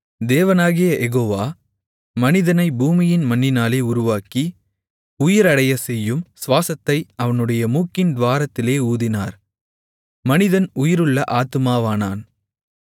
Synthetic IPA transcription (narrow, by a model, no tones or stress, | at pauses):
d̪eːʋɐnaːɣɪjɐʔɛɣoːʋaː | mɐnɪðɐnɐɪbuːmɪjɪnmɐnːɪnaːleːʊɾʊʋaːki | ʊjɪɾɐɽɐjɐsɛjːɯmsʋaːsɐt̪ːɐɪɐʋɐnɯɽɐjɐmuːkːɪnd̪ʋaːɾɐt̪ːɪleːuːðɪnaːɾ | mɐnɪðɐnʊjɪɾɯɭːɐʔaːt̪ːɯmaːʋaːnaːn